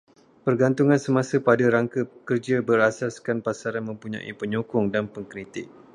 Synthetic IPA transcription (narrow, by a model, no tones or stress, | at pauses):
pərɡant̪uŋãnsəmãsəpadaɾaŋkakərd͡ʒabəɾasaskanpasaɾanmə̃mpuɲã̰ʔḭpəɲokʊŋdanpəŋkɾit̪ɪk̚